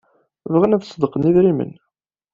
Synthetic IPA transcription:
vʁənæðsˤːd̪əqəniðɾimə̰n

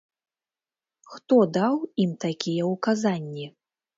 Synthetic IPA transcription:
xt̪ɔd̪awimt̪akʲʰijɛukazanʲːi

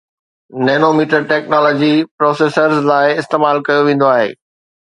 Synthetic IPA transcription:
nɛːnomiːʈəɾʈɛːknɔːlɔːd͡ʑipɾɔːseːsəɾzlaːɪɪst̪eːmaːlkɐjoʋẽːn̆d̪oaːɦḛː

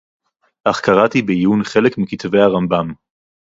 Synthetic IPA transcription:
ʔaχkaʁatibejunχe̞lekmikit̪vejhaʁambam

